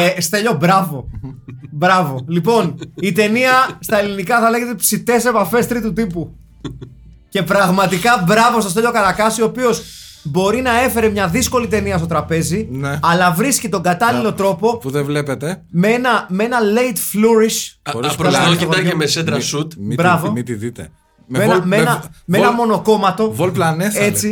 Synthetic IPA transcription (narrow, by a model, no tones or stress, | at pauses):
st̪eʎo̞bɾɐvo̞ | bɾɐvo̞lipo̞nit̪e̞niɐst̪ɐe̞linikɐθɐle̞ɣe̞t̪epsit̪e̞se̞pɐfe̞st̪ɾit̪ut̪ipu | ce̞pɾɐɣmɐt̪ikɐbɾɐvo̞st̪o̞st̪e̞ʎo̞kɐɾɐkɐsiopio̞s | bo̞ɾinɐe̞fe̞ɾemɲɐðisko̞lit̪e̞niɐst̪o̞t̪ɾɐpe̞zineɐlɐvɾiscit̪o̞ŋɡɐt̪ɐlilo̞t̪ɾo̞po̞puðevlepet̪e | meenɐme̞nɐle̞it̪fluɾiʃoɾispɾooiɐemesed̪ɾɐsut̪mbɾɐvomit̪iðit̪ḛ | mmenɐenɐmeenɐmo̞no̞ko̞mɐt̪o̞volplɐneset͡si